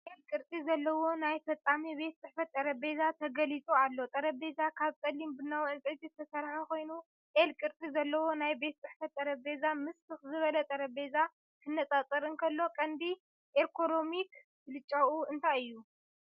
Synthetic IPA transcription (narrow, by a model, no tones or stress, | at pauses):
ʔelkʼɨɾt̪ʼizɐlːɐwo̞najfɐt͡sʼamibe̞t̪̚t͡sʼɨħfɐt̪ːʼɐɾɐbe̞zat̪ʰɐɡɐlit͡sʼualːo̞t̪ʼɐɾɐbezakʰaβkʼɐlːimbɨnːawʕɨnt͡sʼʕt̪ʼit̪ʰɐsɐɾħako̞jnu | ʔelkʼɨɾt̪ʼizɐlːɐwo̞najbe̞t̪̚t͡sʼɨħfɐt̪ːʼɐɾɐbe̞zamɨst̪ʰɨxzɨβɐlɐt̪ʼɐɾɐbe̞za | kʰɨnːɐt͡sʼat͡sʼɐɾɨnkʰɐlːo̞kʼɐnd̪i | ʔekʰo̞no̞mik | ɨlɨt͡ʃʼawuɨnt̪ʰajɨjːu